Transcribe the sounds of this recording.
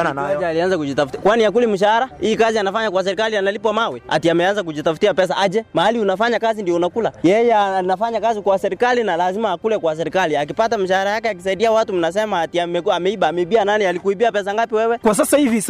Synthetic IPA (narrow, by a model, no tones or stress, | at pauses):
nanaad͡ʒɛalianzakud͡ʒitafukwaniakulim̩ʃ̬ahaɾaiːkazianafaɲakwas̬ɛɾikalianalipwamawɛa̰tiamɛanzak̬uʄitafutiapɛs̬aad͡ʒɛmahaliunafaɲakazindiɔunakulajɛjɛanafaɲakazikwasɛɾikalinalazimaːkulɛkwas̬ɛɾikaliak̬ipatamiʃahaɾajakɛak̬is̬aiɗiawatum̩nas̬ɛmaːtiamɛamɛiɓaːmɛiɓiananialikuiɓiapɛs̬aŋɡapiwɛwɛkwas̬asahivi